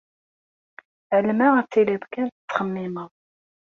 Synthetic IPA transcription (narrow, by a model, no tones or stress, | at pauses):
ʕəlmæʁæt͡sːiliðkænt̪ət͡sːχəmːɪməðˤ